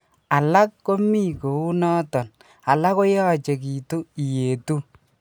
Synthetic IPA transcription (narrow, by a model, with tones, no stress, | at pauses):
a˨la˦kːo˦mi˦˨ko˨u˦nɔ˦tɔ˨n | a˨la˦ko˦jɔ˦t͡ʃe˨k̬iː˨tu˦i˨je˨tu˦